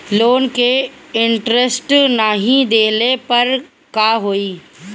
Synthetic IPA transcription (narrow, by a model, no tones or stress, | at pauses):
loːnkeɪɳʈɾesʈnaɦĩd̪eːlepɐɾ | kaːɦoːiː